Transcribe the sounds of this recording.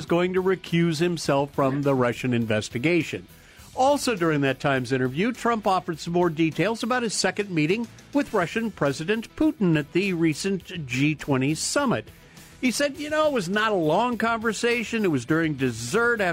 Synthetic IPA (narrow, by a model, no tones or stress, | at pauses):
ʌzɡoʊɪ̃ŋtɨɹɨkʰj̥ʉz̥hɨ̃msɛlˠfɹʌ̃mðəɹʌʃɨ̃nɨ̃ɱvɛstɨɡeɪʃɨ̰̃n | ɔlˠsoʊdʊɹɪ̃ŋðɨtʰãɪ̃mzɪ̃ɾ̃ə˞vjʉtʰɹ̥ʌ̃mpɔfə˞d̥sʌ̃mɔɹditʰeɪlˠzəbaʊt̚ɨz̥sɛkɨ̃nmiɾɪ̃ŋ | wɨðɹʌʃɨ̃npʰɹ̥ɛzɨɾɨ̃npʰuʔn̩ɨt̪̚ðɨɹisɨ̃nd̥ʒ̥itʰw̥ɛ̃ɾ̃i̥sʌmɨ̰t̚ | hisɛd̚jɨnoʊət̚wʌznəɾəlɔ̃ŋkɑ̃ɱvə˞seɪʃɨ̃nɨt̚wʌzdʊɹɪ̃ŋdɨzɜ˞ɾæ